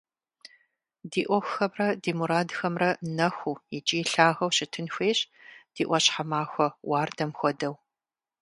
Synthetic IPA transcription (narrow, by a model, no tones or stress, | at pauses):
diːʔʷɔxʷxɐmrɐdiːmuɾaːdxɐmrɐnɐxʷujɪt͡ʃʼiːɬaːɣɐwɕɪtʰɨnxʷeːɕ | d̥iːʔʷɔɕħamaːxʷɔwaːrdɐmxʷɔdɐw